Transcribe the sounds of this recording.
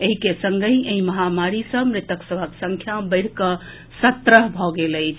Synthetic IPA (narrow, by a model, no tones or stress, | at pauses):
eɦikesəŋɡəjeɦĩməɦamaɾisəbmɾɪt̪əksəbʱəksə̃ŋkʰjabəɪɽ̤kə | sət̪ɾəɦbʱɔɡeləɪt͡ʃʰ